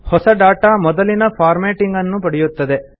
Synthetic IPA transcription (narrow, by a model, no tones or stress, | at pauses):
hɔsɐɖaːʈamɔd̪ɐlinɐpʰaːɾmeːʈiŋɡɐnːupɐɽɛjut̪ːɐd̪e̞